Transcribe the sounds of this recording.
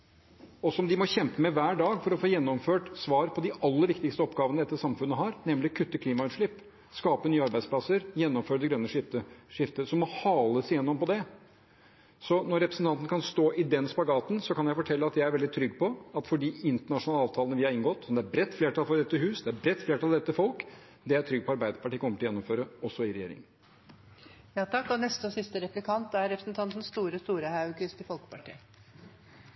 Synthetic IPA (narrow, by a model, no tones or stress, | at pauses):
ɔsɔmd̪ɪmɔçɛmpəmɛʋæːɖɑːɡfɔɾɔfoːjɛnːɔmføːʈsʋɑːɾpʰɔd̪ɪɑlːəɾʋɪkt̪ɪkst̪əɔpɡɑːʋənəd̪ɛt̪ːəʂsɑmfʉnːəɦɑɾnɛmlɪkʰʉt̪ːəkʰliːmɑʉt̪ʂɭɪpː | skɑːpənyːəɑɾbæɪd̪splɑsəɾjɛnːɔmføːɾd̪ɛɡɾœnːəʂɪt̪əʂɪft̪əsɔmːɔhɑːləsɪjɛnːɔmpɔd̪ɛ | sɔnɔɾɛpɾəsn̩t̪ʰɑnt̪ənəkʰɑnst̪oːʔɪd̪ɛnspɑɡɑːt̪nsɔkɑnjæɪfɔʈʰɛlːəɑt̪jæɪæɾʋɛld̪ɪt̪ʰɾʏɡpʰɔɑt̪fɔɖiːɪnt̪əɳɑʂʊnɑlɑːʋt̪ʰɑːlnəʋɪhɑɾɪŋɡɔt̪ːɔmd̪ɛæɾbɾɛt̪ːfleːʈʰɑlfɔɾd̪ɛt̪ːəɦʉːsd̪ɛæɾbɾɛt̪ːfleːʈʰɑld̪ɛt̪ːəfɔlk | d̪ɛæʈʰɾʏɡ̚pʰɔɑɾbæɪd̪əpɑʈiːkʰɔməʈ̪ʰɔjɛnːʊmføːɾəɔsːɔɪɾɛjḛːɾɪ̰ŋ | jɑːt̪ʰɑkːɔnɛst̪əɔsɪst̪əɾɛplɪkʰɑnt̪æɾɾɛpɾəsnt̪ʰɑnt̪n̩st̪uːɾəst̪uːɾəhɑʉkʉst̪əfɔlkə̥pɑʈʰḭː